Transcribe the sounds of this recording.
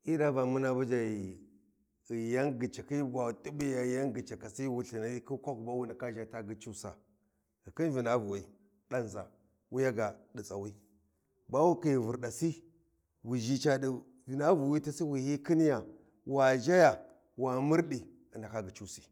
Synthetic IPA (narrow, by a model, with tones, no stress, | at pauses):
i˦da˦ba˨mu˦na˦bu˦d͡ʒa˨ji˨ | ja˦nɡi˨t͡ʃa˨ki˦ba˨tu˦bi˦ja˨ja˦nɡi˨t͡ʃa˨ka˨si˦wu˨ɬi˨na˦i˦ki˦kʷa˦ku˨ba˦wu˦na˨ka˦ʒa˨ta˦ɡi˨t͡ʃu˦sa̰˨ | ɡi˨ki˦n˦vi˨na˦vu˨wi˦ | da˦n˨za̰˨ | wu˦ja˦ɡa˨ɗi˨t͡sa˨wi˦ | ba˦wu˦ki˨ji˨vu˨ɾɗa˨si˦ | wi˨ʒi˦t͡ʃa˨ɗi˨ | vi˨na˦vu˨wi˦ta˦si˦wi˨hi˦ki˦n˦ja˨ | wa˨ʒa˦ja˨ | wa˨mu˦ɾɗi˨ | a˨nda˨ka˦ɡi˨t͡ʃu˦si̥˨